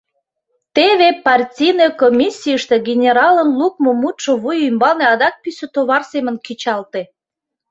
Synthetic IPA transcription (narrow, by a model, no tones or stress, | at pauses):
t̪eβepɑrtʲijnekomʲisʲːijəʃt̪eɡʲenʲeɾɑlənluk̚momut̪ʃoβujymbɑneɑd̪ɑk̚pysə̆t̪oβɑrsemə̆nkit͡ɕɑlt̪e